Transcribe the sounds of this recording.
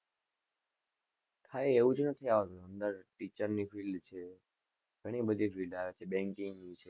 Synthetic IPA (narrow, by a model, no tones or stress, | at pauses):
k̪ʰaeeʋũd͡ʒnət̪ʰːiaʋət̪uənd̪əɾʈit͡ʃəɾnifilɖt͡ʃʰe | ɡʱəɽ̃ibəd̪ʱifilɖaʋet͡ʃʰebɛ̃ŋkĩŋnit͡ʃʰe